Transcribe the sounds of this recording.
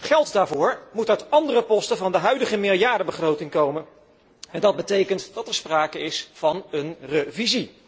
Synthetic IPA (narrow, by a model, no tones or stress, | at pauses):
χɛlˠtdaːɹvʊːɹmutœɥtɑndərəpɔstəvɑndəɦœɥdəχəmɪlˠjaːɹdəbəχrowtɪŋkowmən | ɛndɑd̚bətejkəntdɑtɛɹspraːkəɪsfɑnənrəvizi